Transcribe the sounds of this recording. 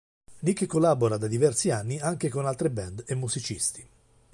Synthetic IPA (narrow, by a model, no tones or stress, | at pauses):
nikːkːolːaboɾad̪ad̪ivɛrsianːiaŋk̟ekonalt̪ɾebɛnd̪emːuzit͡ʃist̪i̥